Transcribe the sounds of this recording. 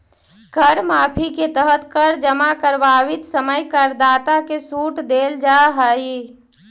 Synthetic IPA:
ɡʱəɾmapʰiket̪əɦət̪kəɾd͡ʒəmakəɾbaʋit̪səməjkəɾd̪aːt̪akesuʈd̪eld͡ʒaɦəj

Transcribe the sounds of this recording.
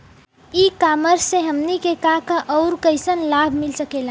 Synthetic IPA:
ikaməɾsẽɦəmnikekakəʔɔʊɾkəɪsənlabʱmilsəkela

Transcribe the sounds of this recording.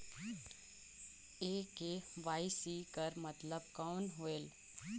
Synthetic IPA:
eːkeʋaːisiːkəɾmɐt̪ləb̚kɔːnɦoeːl

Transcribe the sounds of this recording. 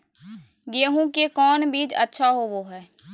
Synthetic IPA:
ɡeːɦũkekɔːnbiːd͡ʒətːʃʰaɦoʋoɦɛː

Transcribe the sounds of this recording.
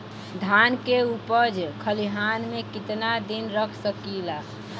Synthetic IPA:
d̪ʱankeupəd͡ʒkʰəliɦanmekit̪nad̪inɾəkʰsəkila

